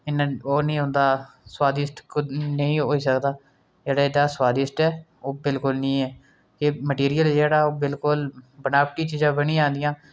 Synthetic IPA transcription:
ɪnãːoːnĩːɦʊ̃ːnd̪aː | swaːd̪ɪsʈknəĩːɦoːiːsəkd̪aː | d͡ʒeːɽaːedaːswaːd̪ɪsʈɛː | oːbɪlkʊlnĩːɛː | keməʈiːɾijəld͡ʒeːɽaːoːbɪlkʊlbənaːpʈiːt͡ʃiːzãːbəɽĩːd͡ʒãːnd̪ɪjãː

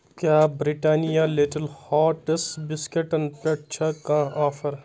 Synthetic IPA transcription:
kjaːbɾiʈaːnijaliʈɐlhaːʈɐsbɪskeʈɐnpɐʈ̚t͡ʃʰɐkãːaːfɐɾ

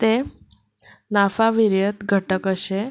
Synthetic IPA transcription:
t̪e | nafaʋiɾjət̪ɡʱəʈəkəʃe

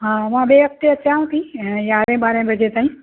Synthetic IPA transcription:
ɦãʋãːɓeːɦək̚t̪eɐt͡ʃãːũt̪ʰĩjaːɾẽːɓaːɾẽːbʱɐd͡ʒet̪aːĩː

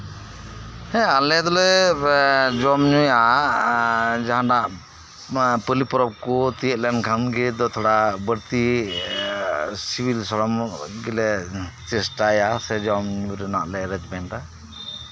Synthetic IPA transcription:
hɛ̃alɛd̪ɔlɛ | d͡ʒɔmɲuja | d͡ʒaɦãnaʔ | pəlipɔɾɔb̚kɔt̪ijət̪̚lɛnkʰanɡɛd̪ɔt̪ʰɔɽabəɾt̪i | sibilsɔlɔmɡɛlɛt͡ʃɛsʈajasɛd͡ʒɔmɲuɾɛnaʔlɛɾɛd͡ʒbɛnɾa

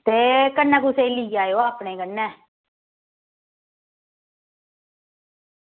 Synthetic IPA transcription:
t̪eːkənːãːkuseiliːaːjoːaːpneːkənːɛ̃ː

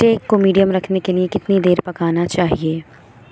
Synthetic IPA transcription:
ʈeːkːomiːɖijəmɾɐkʰnekeliekɪt̪nid̪eːɾpɐkaːnat͡ʃaːɦieː

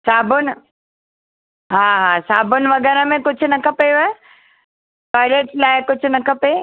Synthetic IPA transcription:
saːbʱʊnɪ | ɦaːɦasaːbʱʊnɪ̆ʋɐɡɛːɾəmẽkʊd͡ʑʱʊnɐkʰɐpeje | paːɪɾeːʈlaːɪkʊd͡ʑʱʊnɐkʰɐpe

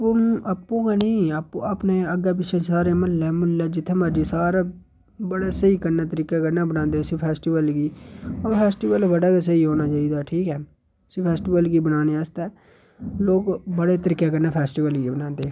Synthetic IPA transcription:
ʊnapːũːkaːniːapːapneːəɡɛːp̬ɪt͡ʃʰẽːsaːɾeːmənːɛːməlːɛːd͡ʒɪt̪ʰːẽːmaːd͡ʒiːsaːɾaː | bəɽeːsəiːkəɾnaːt̪əɾiːkaːkəɾnaːbənãːnd̪eːsĩːpʰɛːsʈiːʋəlɡiːoːpʰɛːsʈiːʋəlbəɽaːkes̬əiːɦoːnaːt͡ʃaːiːd̪aːʈʰiːkɛː | siːpʰɛːsʈiːʋəlɡiːbənaːneːast̪ɛː | loːkbəɽeːt̪əɾiːkːeːkəɾnaːpʰɛːsʈiːʋəlɡibənãːnd̪eː

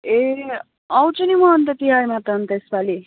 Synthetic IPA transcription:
e | ʌwt͡sʰunimʌʌnt̪ʌt̪iɦarmat̪ʌʌnt̪ʌespali

